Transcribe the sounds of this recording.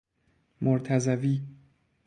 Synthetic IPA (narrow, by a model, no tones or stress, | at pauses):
moɾt̪ʰæzæviː